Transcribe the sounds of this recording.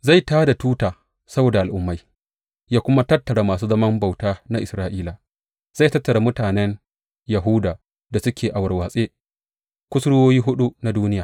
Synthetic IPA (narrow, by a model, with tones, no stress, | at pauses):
za˦˨jtaː˦da˨tuː˦taː˨ | sɐ˦boː˨da˨ʔa˨lʔʊ˦mːa˦j | jaː˦kʷʊ˦ma˦tɐ˦tːɐ˨ɽa˨maː˨suː˦zɐ˦mɐ˦mba˨wtaː˦na˦ʔɪ˨sɾaː˦ʔiː˦la˨ | z̥a˦˨jtɐ˦tːɐ˨ɽa˨mʊ˦taː˨nɛ˦n | jɐ˨ɦu˦daː˨ | da˨sʊ˦kʲeː˨ʔa˨wɐ˨rwaː˨sʼeː˦ | kʷʊ˦sɽwoː˦jiː˦ɦʊ˦ɗu˦na˨duː˦nɪ˦jaː˨